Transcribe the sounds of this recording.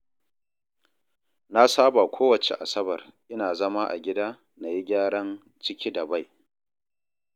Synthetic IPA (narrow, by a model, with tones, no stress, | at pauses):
na˦saː˦ba˨kʷʰoː˦wɐ˨t͡ʃḛ˨ʔa˨sɐ˦bɐ˨rʔɪ˦naː˨zɐ˦ma˦ʔa̰˨ɡʲɪ˦daː˦ | na˨ji˦ɡʲaː˦ɽɐ˦n | t͡ʃɪ˦kʲiː˦dɐ˨ba˦˨j